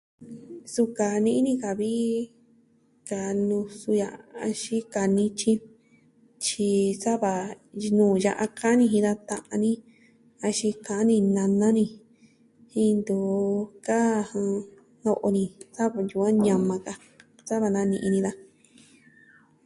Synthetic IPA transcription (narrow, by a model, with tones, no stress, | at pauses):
su˧ka˨nĩ˧ʔi˦nĩ˦˧ka˨βi˦ | ka˨nũ˧su˧ja˧ʔa˧ʃi˦ka˧nĩ˦t͡ʃĩ˦ | t͡ʃi˧sa˦βa˨nũː˨ja˧ʔa˧ka˦nĩ˧ɦĩ˧ða˧t̪ã˧ʔã˧nĩ˦ | a˧ʃĩ˧kã˧ʔã˦nĩ˧nã˧nã˦nĩ˧ | hĩ˧nd̪u˨ka˦˧hã˧ | no˧ʔo˧nĩ˧sa˦βa˧˨nju˧˨ã˦ɲã˧mã˧ka˧ | sa˦βa˧nã˧nĩ˧ʔĩ˧nĩ˧ða˧